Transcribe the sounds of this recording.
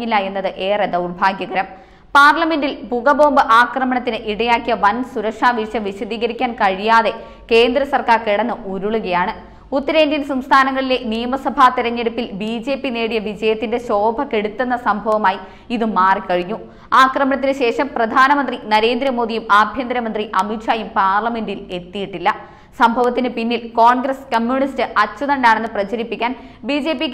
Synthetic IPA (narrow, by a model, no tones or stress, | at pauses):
ilːaenːɐðɨʔe̞ːred̪ɐwrbʱaːɡjɐɣɐɾɐm | paːrlɐme̞ndilpuɣɐbo̞ːmbɨʔaːkrɐmɐɳɐt̪ːinɨʔiɽɐjaːkːijɐʋɐnsuɾɐkʂaːʋiʂɐmʋiɕɐd̪iːɣɐɾikʲːaːnkɐɻijaːðe̞ | ke̞ːnd̪ɾɐsɐrkaːrkeɽɐnːɨʔuɾuɭuɣɐjaːɳɨ | ut̪ːɐɾe̞ːndinsɐmst̪ʰaːnɐŋːɐɭile̞nijɐmɐsɐbʱaːt̪iɾɐɲːeɽupːilbiːd͡ʑe̞ːpːine̞ːɽijɐʋid͡ʑɐjɐt̪ːinde̞ɕo̞ːbʱɐkːe̞ɽut̪ːenːɐsɐmbʱɐʋɐmaːji | iðɨmaːrikɐɻiɲːu | aːkrɐmɐɳɐt̪ːinɨɕe̞ːʂɐmprɐd̪ʱaːnɐmɐnd̪rinɐɾe̞ːnd̪ɾɐmo̞ːðijumaːbʱjɐnd̪ɐɾɐmɐnd̪riʔɐmitʂaːjumpaːrlɐme̞ndile̞t̪ːijiʈːilːɐ | sɐmbʱɐʋɐt̪ːinɨpinːilkoːɳɡrɐskɐmjuːɳistɨʔɐt͡ɕːuðɐɳɖaːɳe̞nːɨprɐt͡ɕɐɾipːikʲːaːnbiːd͡ʑe̞ːpːikː